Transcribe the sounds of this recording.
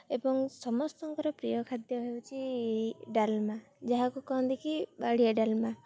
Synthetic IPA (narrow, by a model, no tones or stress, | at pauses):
ebɔŋsɔmɔst̪ɔŋkɔɾɔpɾijɔkʰad̪jɔɦewt͡ʃʰi | ɖalma | d͡ʒaɦakukɔnd̪ikʰibaɽ̤ijaɖalma